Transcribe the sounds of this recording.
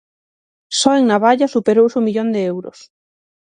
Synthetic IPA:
sɔeŋnaβaʎasupeɾowsumiʎond̪eɛwɾʊ̰s

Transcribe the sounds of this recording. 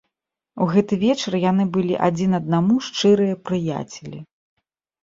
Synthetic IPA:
uɣɛt̪ɨvʲɛt͡ʂɐrjanɨbɨlʲḭʔad͡zʲinɐd̪̚namuʂt͡ʂɨɾɨjɐpɾɨja̰t͡sʲɛlʲi

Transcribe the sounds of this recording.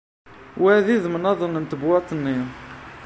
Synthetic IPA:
wæðiðmənɑðˤənːənt̪əbwɑt̪ˤənːi

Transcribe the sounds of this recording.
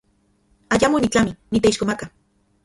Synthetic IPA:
ajamonit͡ɬaminit̪eiʃkomaka

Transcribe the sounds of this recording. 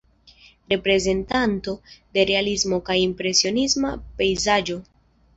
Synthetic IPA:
ɾe̞pɾe̞ze̞ntanto̞de̞ɾe̞alizmo̞kajimpɾe̞sio̞nismape̞jzad͡ʒo̞

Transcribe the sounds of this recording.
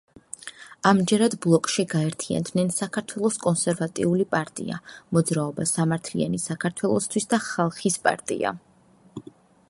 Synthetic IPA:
amd͡ʒɛɾad̪blˠɔkʼʃiɡaɛɾt̪ʰia̰nd̪nɛnsakʰaɾt̪ʰwɛlˠɔskʼɔnsɛɾvat̪ʼḭulipʼaɾt̪ʼḭa̰mɔd̪zɾaɔbasamaɾt̪ʰlḭa̰nisakʰaɾt̪ʰwɛlˠɔst̪ʰwisd̪aχalˠχispʼa̰ɾt̪ʼḭa̰

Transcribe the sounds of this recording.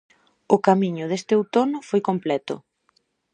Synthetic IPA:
ʊkamiɲʊðest̪ewt̪onʊfojkomplɛt̪ʊ̰

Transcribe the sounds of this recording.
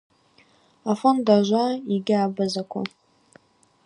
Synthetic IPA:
afondaʒʷaiɡʲaːbazakʷʰa̰

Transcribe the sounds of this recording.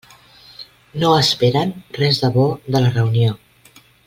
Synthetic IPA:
noəspeɾənrɛzðəβoðələrəunio

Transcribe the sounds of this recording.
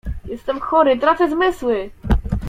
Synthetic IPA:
jɛst̪ɛmxɔɾɘt̪ɾat̪sɛzmɘswɘ

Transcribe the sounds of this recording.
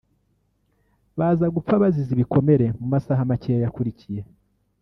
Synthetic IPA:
βaːzaɡup͡faβaziziβiko̞me̞ɾe̞mumasaɦamacejajakuɾicije̞

